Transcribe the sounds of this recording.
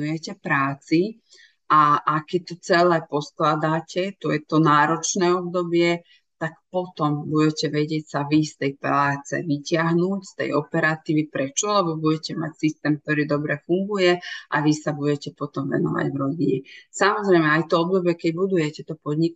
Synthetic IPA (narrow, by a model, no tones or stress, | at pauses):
ujɛcɛpɾaːt͡si | ʔaʔakːɛc̚t̪ɔt͡sɛlɛːpɔsklad̪aːcɛt̪ɔjɛt̪ɔnaːɾɔt͡ʃnɛːɔbd̪ɔbɪɛ | t̪akpɔt̪ɔmbuɟɛcɛʋɛɟɪɛcsaʋist̪ɛjpɾaːt͡sɛ̰ʋicɪaɦnuːcst̪ɛ̰jɔpɛɾat̪iːʋipɾɛt͡ʃɔalɛbɔbuɟɛcɛma̰csist̪ɛːmk̚t̪ɔɾiːd̪ɔbɾɛfuŋɡujɛʔa̰ʋisabuɟɛcɛpɔt̪ɔmʋɛ̰nɔ̰ʋa̰ɟʋɾɔɟiɲɛsamɔzɾɛjmɛajt̪ɔɔbd̪ɔbɪɛkɛɟbud̪ujɛcɛt̪ɔpɔd̪ɲik